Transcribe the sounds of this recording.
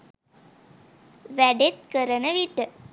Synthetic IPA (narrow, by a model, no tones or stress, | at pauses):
ʋæɖet̪̚kəɾənəʋiʈə